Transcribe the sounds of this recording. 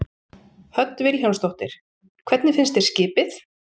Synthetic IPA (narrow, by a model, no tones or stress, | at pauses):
hœt̪nvɪɾçawst̪owht̪ɪɾ̥ | kʰvɛt̪nɪfɪnst̪ɛ̥scɪːpɪθ